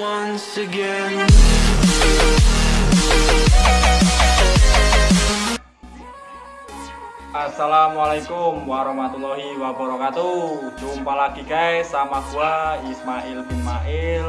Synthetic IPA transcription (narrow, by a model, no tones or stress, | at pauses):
ansiɡɛn | ʔasalamwalakʊmwaɾɔhmat̪ulɔɦiwabəɾɔkat̪ud͡ʒumpalaɡ̥ikaesamakuaismaʔilismaʔɪl